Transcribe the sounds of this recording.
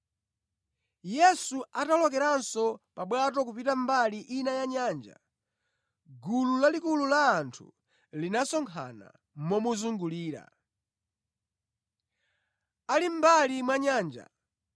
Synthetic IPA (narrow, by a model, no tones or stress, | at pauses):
jɛsuatalɔkɛɾansɔpaɓwatɔk̬upitambaliʔinajaɲaːnd͡ʒa̰ | ɡululalikululaːntʰṵ | linasɔŋkʰa̰na̰ | mɔmuzuŋɡuliːɾa̰ | alim̩balimwaɲaːnd͡ʒa̰